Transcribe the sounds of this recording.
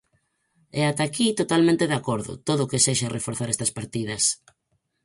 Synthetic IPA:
ɛat̪akit̪ot̪almẽnt̪eðakoɾðʊ̰t̪oðʊkeseʃarefoɾθaɾɛst̪ɐspaɾt̪ið̞ɐs

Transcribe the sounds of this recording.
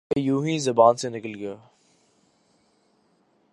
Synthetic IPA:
jũːɦĩzɐbaːnsenɪkəlɡɐjaː

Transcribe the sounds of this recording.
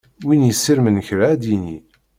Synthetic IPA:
winjəsːiɾmənçɾaæd̪inḭ

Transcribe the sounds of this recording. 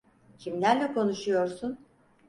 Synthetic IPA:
cʰimlʲæɾlʲɛkʰo̞nuʃujo̞ɾsun

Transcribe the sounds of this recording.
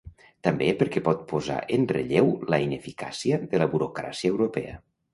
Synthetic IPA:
t̪ambepəɾkɛpɔt̪̚poza̰ʔənreʎewləinefika̰siəðələβuɾokɾa̰siəewɾopɛ̰ə̰

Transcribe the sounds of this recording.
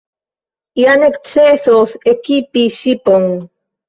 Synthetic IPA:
janekt͡seθoθekipiʃipoŋ

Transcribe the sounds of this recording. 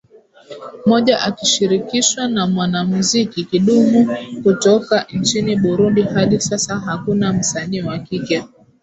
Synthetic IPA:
mɔʄaʔakiʃiɾikiʃwanamwanamuzikikiɗumukutɔkant͡ʃiniɓuɾundiɦaɗisasaɦakunam̩saniwakikjɛ

